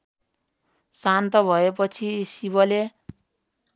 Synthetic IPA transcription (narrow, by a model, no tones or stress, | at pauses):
sant̪ʌbʱʌep̬ʌt͡sʰisibʌle